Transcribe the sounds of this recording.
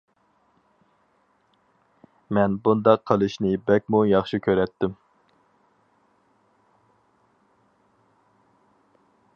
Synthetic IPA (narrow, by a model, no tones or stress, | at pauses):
mɛnbund̪ɑqʰːəlˠɨʃnɪbɛk̚ʲmujɑχʃikʲʰøɾɛt̪ʰːɪm